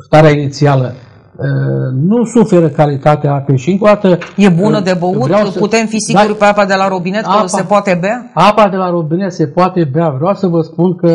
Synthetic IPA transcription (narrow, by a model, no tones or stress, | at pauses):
st̪aɾeainit̪sialə | ənusufe̞ɾəkalit̪at̪eaapeʃiɨŋkod̪at̪əje̞bunəd̪e̞bəutvɾeaput̪e̞mfisiɡuɾpeapad̪e̞laɾobine̞t̪ksepoat̪e̞beaapad̪e̞laɾobinet̪se̞poat̪e̞beavɾeawsəvəspunkə